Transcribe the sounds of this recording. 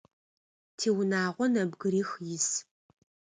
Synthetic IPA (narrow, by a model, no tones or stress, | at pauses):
tʰiːwʊnaːʁʷɔnɐbɡɨɾiːxjɪs